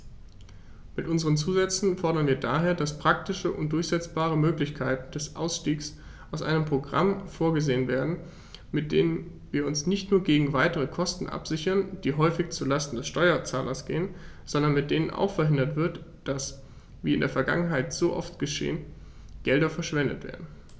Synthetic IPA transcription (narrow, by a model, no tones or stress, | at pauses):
mɪtʔʊnzəʁ̞ənt͡suːzɛt͡sn̩fɔɐɾɐnviːɐdaːɦeːɐdaspʁ̥ak̚tɪʃəʔʊntd̥ʊɐçz̥ɛt͡sb̥aːʁ̞əmøːklɪçkʰaɪtn̩d̥ɛsʔa̰ʊsʃtiːks | ʔaʊsʔa̰ɪnəmpʁ̥oɡʁa̰mfoːɐɡəzeːənveːɐdn̩ | mɪt̚d̥ḛːnənviːɐʊnsnɪçtnuːɐɡeːɡŋ̩vaɪtəʁ̞əkʰɔstn̩ʔa̰pz̥ɪçɐnd̥iːɦɔʏfɪçt͡suːɐlastn̩dɛsʃtɔʏɐt͡saːlʔɐsɡ̥ḛːən | z̥ɔndɐnmɪt̚d̥eːnənʔa̰ʊxfɛɐɦɪndɐtv̥ɪɐtd̥as | viːɪndeːɐfɛɐɡa̰ŋənɦaɪtz̥oːʔɔ̰ftɡ̥əʃḛːən | ɡ̥ɛldɐfɛɐʃv̥ɛndə̰tv̥ḛːɐdn̩